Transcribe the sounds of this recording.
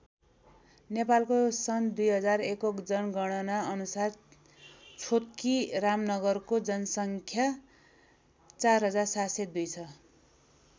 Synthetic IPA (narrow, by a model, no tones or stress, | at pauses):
nepalkosʌnd̪ujɦʌd͡zarekokd͡zʌnɡʌɽ̃ʌnaʌnusar | t͡sʰot̪̚kiramnʌɡʌrkod͡zʌnʌsʌŋkʰja | t͡sarɦʌd͡zarsased̪ujt͡sʰʌ